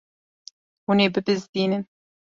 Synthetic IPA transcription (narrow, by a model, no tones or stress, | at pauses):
wuneːbɨbɨzd̪iːnɨn